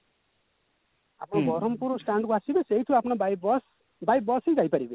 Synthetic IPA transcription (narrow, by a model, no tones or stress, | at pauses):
apʰnobʱʌɾʌmpuɾosʈaɳɖkoasibesejt̪ʰuapʰnobajbs | baj̚bʌsejd͡zajpʌɽibe